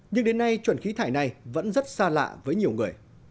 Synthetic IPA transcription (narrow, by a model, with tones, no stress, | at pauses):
ɲɨ˧ŋɗe˨˦nːa˧jt͡ɕwə˧˩nxi˨˦t̪ʰaː˧˩jna˨˩jvə̰˧˥nzə˦˥t̚saː˧la̰ː˧˨vəː˨˦jɲi˨˩əwŋɨ˨˩əj